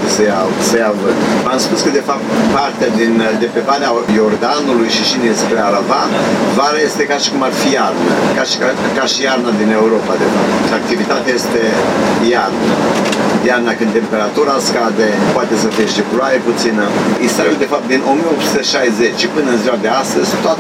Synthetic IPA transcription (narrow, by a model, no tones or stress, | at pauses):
t̪esəjasəjavɨmamspuskəd̪e̞fap̚t̪part̪ead̪int̪e̞mpe̞baneajo̞rd̪anulujʃiʃinespɾeaɾavavaɾaje̞st̪e̞kaʃi̥kumarfijarna̰kaʃa | kaʃijarnad̪ine̞uɾo̞pad̪e̞fap̚t̪t̪ak̚t̪ivit̪at̪eaje̞st̪e̞jarnajarnakɨnd̪t̪e̞mpe̞ɾat̪uɾaskad̪e̞poat̪e̞səfieʃipɾoajeput̪sinəist̪aɾud̪e̞fap̚t̪d̪inʔo̞mijeo̞p̪su̥t̪əʃajze̞t͡ʃpɨnəɨnziwad̪e̞ast̪əzʲsunt̪oat